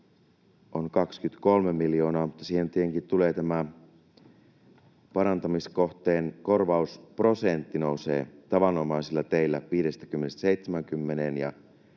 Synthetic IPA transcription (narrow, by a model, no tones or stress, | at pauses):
ʔonkɑkskyt̪ko̞lmemːiljo̞ːnɑːmut̪ːɑsiːhe̞nt̪ieŋkit̪t̪uleːt̪æmæ | pɑɾɑnt̪ɑmiskoht̪eːnko̞rʋɑuspro̞sent̪ːino̞usḛːt̪ɑʋɑnnomɑisilːɑt̪eilːæʋiːɾest̪æ̥kymːenest̪seit̪semæŋkymːenenjɑ̰